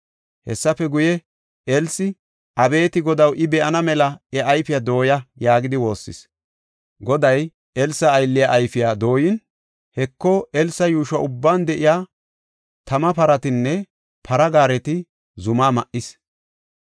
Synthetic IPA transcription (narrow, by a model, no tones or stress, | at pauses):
hɛsːɐfɛɡʊjɛ | ɛlsɪ | ʔɐbe̞ːt̪ɪɡɔd̪ɐwʔɪbɛʔɐnɐmɛlɐɛʔɐjfɪjad̪o̞ːjɐjaːɡɪd̪ɪwo̞ːsːɪ̰s | ɡɔd̪ɐj | ɛlsɐːjlːɪjaʔːjfɪjaːd̪o̞ːjɪn | hɛkːɔɛlsɐjuːʃɐʔʊbːaːnd̪ɛʔɪjaː | t̪ɐmɐpɐɾɐt̪ɪnːɛ | pʰɐɾɐɡaːɾɛt̪ɪ | zʊmaːmɐʔɪs